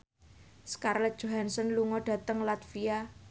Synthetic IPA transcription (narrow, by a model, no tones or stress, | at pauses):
skarlɛt̪̚ʒ̥o̤ɦansɔnluŋɔɖ̥ä̤t̪əŋlat̪fia